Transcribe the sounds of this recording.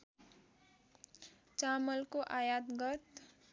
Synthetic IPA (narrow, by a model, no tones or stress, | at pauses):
t͡samʌlkoʔajat̪ɡʌt̪